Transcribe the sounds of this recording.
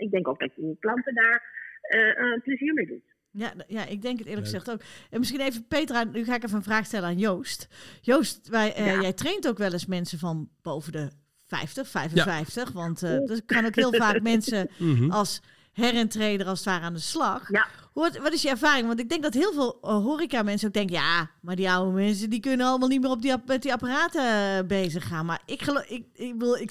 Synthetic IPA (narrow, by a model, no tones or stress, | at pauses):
ʔɪɡ̚dɛŋkoɡ̚dɔtənklɑntədaːɹ | pləziːɹmejdut | jajaʔɪɡ̚dɛŋkətɪːləxəzɛxtoːkənmɪsxinejvəpeːtranyxaːɪkefəənvraːxstɛlənaːnjowstjoːstʋajɛjtreːntoːkʋɛlˠəsmɛnsəvɔnb̥owvəndə | fɛ̰jftəxfɛjvənfɛjftəxʋɑntdɔkɑnoːkɦɪəlˠvaːk̚mɛnsəɔlˠs | hɛrɪntreːdərɔlsətʋaːɾəaːndəslɑx | ʋɔtɪsjəɛrfaːrɪŋʋɔntɪɡ̚dɛŋk̚dɔtɦɪəlˠveːlˠɦoːrikamɛnsəoːɡ̚dɛŋkəjaːmardiawəmɛns̬ədikønənɔləmalˠnitmɪːrɔp̚dimɛt̚diapəraːtəbeːzəxaːnmaɪkəlɪʋɪlˠɪ